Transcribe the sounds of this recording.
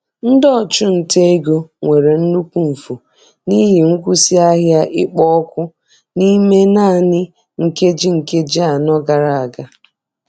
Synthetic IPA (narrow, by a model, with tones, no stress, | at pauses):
n̩˦dɔ˦˨t͡ʃʊ˦n̩˨te˦e˦ɡo˦ŋʷe˨ɾe˨n̩˦nu˦kʷu˦m̩˨fu˨ | ni˦ɦi˨ŋ̩˦kʷu˦si˦a˦ɦja˦ʔɪ˦k͡pɔ˦kʷʊ˦ | ni˦me˦na˦˨nɪ˦ | ŋ̩˨ke˦d͡ʒi˦ŋ̩˨ke˦d͡ʒa˨nɔ˦ɡa˨ɾa˨a˨ɡa˦